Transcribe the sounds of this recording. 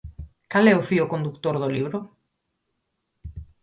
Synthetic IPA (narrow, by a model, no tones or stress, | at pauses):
kalɛʊfiʊkond̪ukt̪oɾðʊliβɾʊ